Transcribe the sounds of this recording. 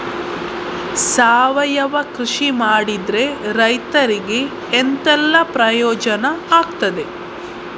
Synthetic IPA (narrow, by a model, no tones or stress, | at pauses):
saːʋɐjɐʋɐkɾiʂimaːɽid̪ɾe̞ɾɐjt̪ɐɾiɡe̞ː | nt̪ɛlːɐpɾɐjɔːd͡ʒɐnɐaːɡt̪ɐd̪e̞